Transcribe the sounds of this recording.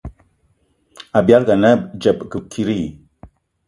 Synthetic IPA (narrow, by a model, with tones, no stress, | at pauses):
a˨bi˨a˦lɡa˨nə˦d͡ʒə˨bɡə˨kʰi˦ɾi˦˨